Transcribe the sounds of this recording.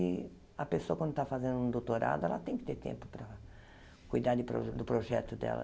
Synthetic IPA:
ɪ | ɐpesoɐkwɐ̃nd̪ʊt̪afazẽnd̪ʊũd̪owt̪oɾa̰d̪ʊɛ̰lɐt̪ẽj̃kɪ̥t̪eɾt̪ḛ̃mpʊ̥pɾɐ | kujd̪aɾd̪ɪpɾo̰d̪ʊpɾoʒɛt̪ʊd̪ɛ̰lɐ̰

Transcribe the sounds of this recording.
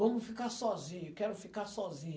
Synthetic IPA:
ɐ̃mʊfikaɾsɔzĩɲʊkɛɾʊfikaɾsɔzĩɲ

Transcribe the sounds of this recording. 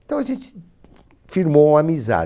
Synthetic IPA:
ẽt̪ɐ̃w̃ɐʒẽnt̪ | fiɾmoũamiza̰

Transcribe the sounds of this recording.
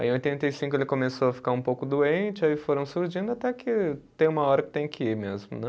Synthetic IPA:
ã̰ĩojt̪ẽnt̪ɐjsĩŋkʊelɪkomesoɐfi̥kaɾũpowkʊd̪uẽnt͡ʃɪaifoɾɐ̃w̃suɾʒĩnd̪ʊat̪ɛkɪt̪ẽj̃ũmɐɔɾɐkɪ̥t̪ẽj̃kɪiɾmezmʊ̰nɛ

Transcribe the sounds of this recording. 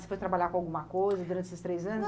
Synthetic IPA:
se̥fost̪ɾabaʎʲakõawɡũmɐkojzɐd̪uɾɐ̃esest̪ɾejzɐ̃nʊ

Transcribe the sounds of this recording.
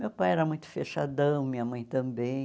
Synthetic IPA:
mewpajɛɾɐmũj̃t̪ʊ̥feʃad̪ɐ̃w̃mĩɲɐmɐ̃j̃t̪ɐ̃bẽj̃

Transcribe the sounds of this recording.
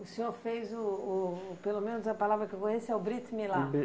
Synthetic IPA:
ʊsẽɲoɾfejzʊː | pelomẽnʊzɐpalavɾɐkeokõɲesɛʊbɾit̪milã

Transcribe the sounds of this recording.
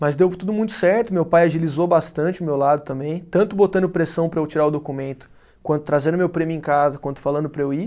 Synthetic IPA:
mɐzd̪ewt̪ud̪ʊmũj̃t̪ʊ̥sɛɾt̪ʊmewpajaʒilizobast̪ɐ̃nt͡ʃɪʊmewlad̪ʊt̪ɐ̃mbẽj̃t̪ɐ̃nt̪ʊbot̪ɐ̃nd̪ʊpɾesɐ̃w̃pɾɐewt͡ʃiɾaʊd̪okumẽnt̪ʊ̥ | kwɐ̃nt̪ʊ̥t̪ɾazẽnd̪ʊmewpɾẽmʲjʊẽkazɐkwɐ̃nt̪ʊ̥falɐ̃nd̪ʊpɾɐewi

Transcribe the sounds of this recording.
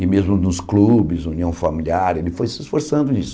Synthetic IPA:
ɪmezmʊnʊsklubɪzũniɐ̃w̃familiaɾelɪfojsɪsfoɾsɐ̃nd̪ʊd͡ʒisʊ

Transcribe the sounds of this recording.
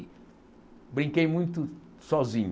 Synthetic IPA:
bɾĩkejmũj̃t̪ʊ | sɔzĩɲ

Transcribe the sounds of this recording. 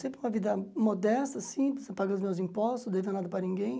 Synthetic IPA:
sẽpɾɪũmɐvid̪ɐmod̪ɛst̪ɐsĩpspaɡɐ̃ʊzmewzĩpɔst̪ʊsd̪eviɐnad̪ɐpɾɐnĩŋɡẽj̃

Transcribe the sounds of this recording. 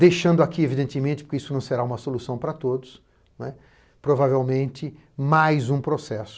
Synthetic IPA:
d̪ejʃɐ̃nd̪ʊakievid̪ẽnt̪ɪmẽnt̪ɪpoɾkeisʊnɐ̃w̃seɾaũmɐsolusɐ̃w̃pɾɐt̪od̪ʊs | nwɛ | pɾovavewmẽnt̪ɪ | majzũpɾosɛsʊ̥

